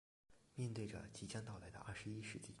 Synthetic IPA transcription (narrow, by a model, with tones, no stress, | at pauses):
mjɛ˥˧nt̪we˥˩ɪʈ͡ʂə̰˩t͡ɕi˧˥t͡ɕjɑ˥ŋt̪ɑ˥˩ʊla˧˥ɪd̪ə̰˧ʔɐ˥˩ʂɻ̩˧˥i˥ʂɻ̩˧˥t͡ɕi˥˩